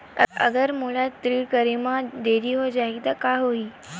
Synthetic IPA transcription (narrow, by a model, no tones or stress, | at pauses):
ə̰ɡəɾmuɭat̪ɾikəɾemãd̪eɾiɦod͡ʑaɦit̪akaɦoi